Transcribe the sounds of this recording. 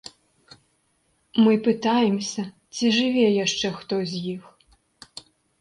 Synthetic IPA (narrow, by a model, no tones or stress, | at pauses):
mɨpɨt̪ajɛmsʲɐ | t͡sʲiʐɨvʲɛjaʂt͡ʂɛxt̪ɔzʲjix